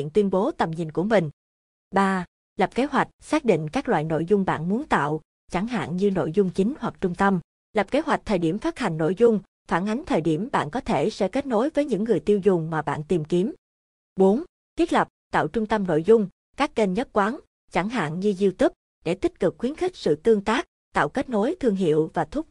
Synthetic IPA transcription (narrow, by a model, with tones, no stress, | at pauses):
ḭ˧˨ənt̪wi˧ənɓo˨˦t̪ə˨˩mɲï˨˩n̟ku˧˩əmï˨˩ŋ̟ | ɓaː˧ | lə˨˩p̚ke˨˦ɦwa˨˩jk̟̚saː˦˥k̚ɗḭ˧˨ŋ̟kaː˦˥k̚la̰ː˧˨jno̰˧˨jzʊ˧ŋ͡mɓa̰ː˧˨nmu˨˦ənt̪a̰ː˧˨w | t͡ɕa˧˩ŋɦa̰ː˧˨nɲɨ˧no̰˧˨jzʊ˧ŋ͡mt͡ɕï˨˦ŋ̟hwa˨˩k̚t͡ɕʊ˧ŋ͡mt̪ə˧m | lə˨˩p̚ke˨˦ɦwa˨˩k̚t̪ʰəː˨˩jɗi˧˩əmfaː˦˥t̚ha˨˩jŋ̟no̰˧˨jzʊ˧ŋ͡m | faː˧˩nʔa˨˦jŋ̟t̪ʰəː˨˩jɗi˧˩əmɓa̰ː˧˨nkɔ˨˦t̪ʰe˧˩sɛ̰˧˥ke˦˥t̚no˨˦jvəː˨˦jɲɨ̰˧˥ŋːɨ˨˩əjt̪i˧əwzʊ˨˩ŋ͡mmaː˨˩ɓa̰ː˧˨nt̪i˨˩mki˨˦əm | ɓo˨˦n | t̪ʰi˦˥ət̚lə˨˩p̚t̪a̰ː˧˨wt͡ɕʊ˧ŋ͡mt̪ə˧mno̰˧˨jzʊ˧ŋ͡m | kaː˦˥k̚ke˧nɲə˦˥t̚kwaː˨˦n | t͡ɕa˧˩ŋɦa̰ː˧˨nɲɨ˧zi˧wt̪ɨ˦˥k̚ | ɗe˧˩t̪i˦˥k̚kɨ˨˩k̚xwi˨˦nxï˦˥k̟̚sɨ̰˧˨t̪ɨ˧əŋt̪aː˦˥k̚ | t̪a̰ː˧˨wke˦˥t̚no˨˦jt̪ʰɨ˧əŋɦḭ˧˨əwvaː˨˩t̪ʰʊ˦˥k͡p̚